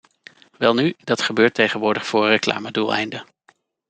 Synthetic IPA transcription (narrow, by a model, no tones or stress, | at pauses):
ʋɛlˠnydɑtχəbøːɹtejχənʋʊːɹdəχfʊːɹrəkla̰ːmədulˠɛ̰jndə